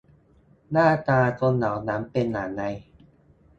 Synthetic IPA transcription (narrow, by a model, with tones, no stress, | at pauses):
naː˥˩t̪aː˧t̪o˧nːa˨˩˦wnaː˦˥mpe˧nːaː˩˦na˧j